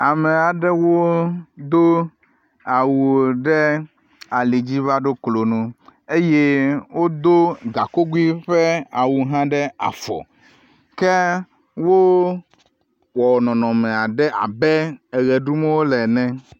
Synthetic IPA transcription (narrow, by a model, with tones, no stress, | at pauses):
a˨mɛ̃˨a˨ɖɛ˦wo˦d̪o˦ | a˨wu˨o˨ɖɛ˦ | a˨li˨d͡ʑi˦va˦ɖo˦klo˨nũ˦e˦je˦wo˦d̪o˦ɡa˨ko˦ɡu˦i˦ɸe˦a˨wu˨ɦã˦ɖɛ˦a̰˨fɔ̰˨ | kɛ˦ | wo˦ | wɔ˨nɔ̃˨nɔ̃˨mɛ̃˨a˨ɖɛ˦a̰˨bɛ˦ɛ˨ɣɛ˨ɖu˦mɛ˦wo˦lɛ˨nɛ̃˦